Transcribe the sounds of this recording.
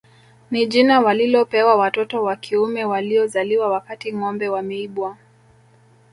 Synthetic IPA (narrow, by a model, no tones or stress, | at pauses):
niʄinawalilɔpɛwawatɔtɔwakʰiumɛwaliɔzaliwawakatiŋɔmbɛwamɛiɓwa